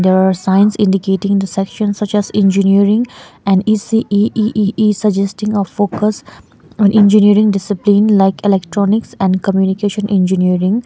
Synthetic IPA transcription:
d̪eɾaɾsãɪ̃nsɪ̰̃ɳɖikeːʈɪ̃ŋd̪əsɛkʃə̃nsʌt͡ʃɛzɛ̃nd͡ʒiniəɾɪ̃ŋɛ̃ɳɖiːsiʔiʔiʔiːʔisəd͡ʒɛsʈɪ̃ŋɔʋfoːkəs | ɔ̃nʔɪ̃nd͡ʒiniəɾɪ̃ŋɖɪsɪplĩnlaɪkelɛkʈɾɔːnɪksɛ̃ɳɖkəmjuːnikeːʃə̃nʔɛ̃nd͡ʒiniəɾɪ̃ŋ

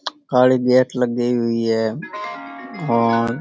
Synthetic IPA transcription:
kaːɭiɡɛːʈləɡːəiɦʊiɦɛː | ɔːɾ

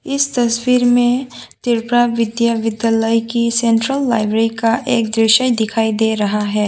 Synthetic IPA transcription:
ɪst̪ɐswiːɾmẽt̪ɪɾpɾaʋɪd̪jaʋɪd̪jaləjkisẽɳʈɾəlːaːɪbɾeikaʔeːk̚d̪ɾɪʃəjd̪ɪkʰaːid̪eɾɐɦaɦɛː

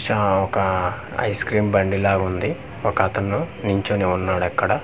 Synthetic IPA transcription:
ʃɐɔkɐ | ɐ̰jskɾiːmbɐɳɖilaːɡund̪i | ɔkɐɐt̪ɐnːuniɲt͡ʃoːniunːaːɽɛkːɐɽɐ

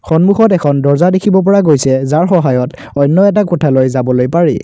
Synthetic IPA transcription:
xɔnmuxɔtɛkʰɔndɔɹzadekʰibɔp̬ɔɹaɡojsɛzaɹxɔɦajɔt | ɔjnːɔɛt̬akɔtʰalojzabɔlojpaɹḭ

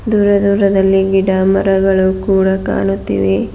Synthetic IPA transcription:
d̪uːɾɐd̪uːɾɐd̪ɐlːiɡiɖaːmɐɾɐɡɐɭukuːɽɐka̰ːɳut̪ːḭʋe

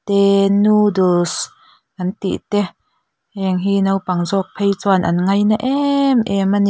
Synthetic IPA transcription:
t̪ɛnudos | kɐnt̪ḭʔt̪ɛ | hɛŋɦinɐwpɐŋzɔk̚pʰejt͡sɔanʔɐnŋɐjnaʔɛmʔɛman

